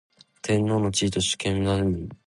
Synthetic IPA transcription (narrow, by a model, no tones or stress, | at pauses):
t̪ʰẽ̞nːo̞ːnot͡ɕiːt̪o̞ɕi̥kẽnaɯi